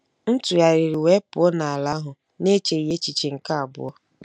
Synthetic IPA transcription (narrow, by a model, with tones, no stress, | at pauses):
n̩˦tu˨ja˨ɾi˨ɾi˨we˦pʊ˨˦ɔ˦na˨a˨la˦ɦʊ˨ | ne˦t͡ʃe˨i˨ɦe˦t͡ʃi˨t͡ʃe˨ŋ̩˨ka˦a˨bʊ̰˦ɔ˦